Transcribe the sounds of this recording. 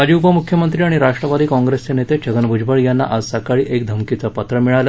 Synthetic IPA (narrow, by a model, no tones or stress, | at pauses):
ad͡ʑiːupəmukʰjəmənt̪ɾiːaɽ̃iɾaʂʈɾəʋad̪iːkɔ̃ŋɡɾest͡senet̪et͡ɕʰəɡənbʱud͡ʑbəɭjanːa̰ʔazsakaɭiːʔek̚d̪ʱəmkit͡səpət̪ɾəmiɭalə